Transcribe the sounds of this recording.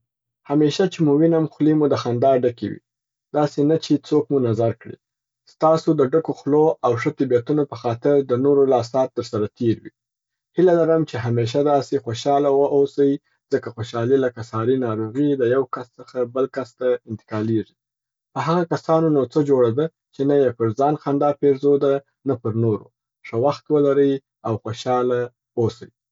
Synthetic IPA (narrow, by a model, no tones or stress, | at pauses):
hameʃat͡ʃemuwinamxlimud̪əxand̪ɑɾɖakḛwḭ | d̪̥ɑsenat͡ʃet͡sokmunazaɾkɽḭ | st̪ɑsod̪əɖəkoxloawʂət̪ɪbijat̪unopəxɑt̪ɪɾd̪ənoɾolɑsɑt̪ːəɾsaɾat̪ʰeɾwḭ | hilalaɾəmt͡ʃeɦameʃ̬ad̪ɑsexoʃɑlawəʔosawi | z̥əkaxoʃɑliləkasɑɾinɑɾoɣid̪əjawkast͡səxabəlkast̪aɪnt̪ɪ̥kɑleʐi̥ | pəɦaɣakasɑnonot͡səd͡ʒoɽad̪ə | t͡ʃenajepəɾzɑnxand̪ɑpeɾzod̪a | napəɾnoɾo̰ | ʂəwaxt̪wəlaɾəj | awxoʃɑla | osawi